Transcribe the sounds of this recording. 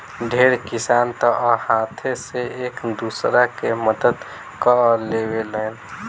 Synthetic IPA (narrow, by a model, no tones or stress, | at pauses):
ɖʱeːɾkɪsaːnt̪ɔʔhaːt̪ʰeseeːkd̪uːsɾakeməd̪əd̪ | kəleːweleːn